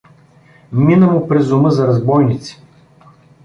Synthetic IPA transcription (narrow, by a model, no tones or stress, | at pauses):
minəmʊpɾɛzʊmɤzɐɾɐzbɔjnit̪si̥